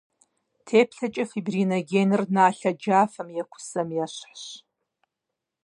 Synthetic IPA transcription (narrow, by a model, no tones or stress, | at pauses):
tʰeːpʰɬʰɐt͡ʃʼɐfibrinoɡʲenɨrnaːɬɐd͡ʒaːfɐmjakʷʰʊ̥sɐmjaɕʷħɕ